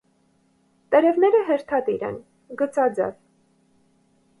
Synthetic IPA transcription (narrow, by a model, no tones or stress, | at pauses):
t̪ɛɾɛvnɛɾəɦɛɾt̪ʰɑt̪iɾɛ̰n | ɡət͡sɑd͡zɛ̰v